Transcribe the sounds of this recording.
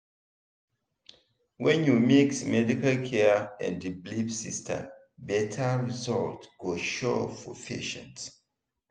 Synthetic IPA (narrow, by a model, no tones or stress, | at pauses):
wɛ̃njumiksmɛdikalkʰɛɛ̰̃ndiblipsistʰə̰ | bɛtʰaɹizɔltɡ̥oʃɔfɔ̰fḛʃə̰̃nt